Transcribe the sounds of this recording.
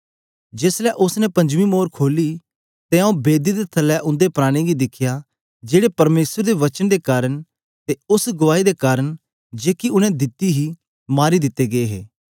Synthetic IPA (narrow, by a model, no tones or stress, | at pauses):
d͡ʒeːslɛʔʊsnɛpɐ̃ɲd͡ʒʋĩmoːɾkʰoːli | t̪eãũbeːd̪id̪et̪ʰɐlːɛʔʊ̃nd̪epɾaːɽ̃iɡid̪ɪkʰja | d͡ʒeːɽepɐɾmeːsəɾd̪eʋɐt͡ʃənd̪ekaːɾəɽ̃ | t̪eʊsɡʊʋaːid̪ekaːɾəɽ̃ | d͡ʒeːkiʊnɛ̃d̪ɪt̪iɦi | maːɾid̪ɪt̪ːeɡɐeɦḛː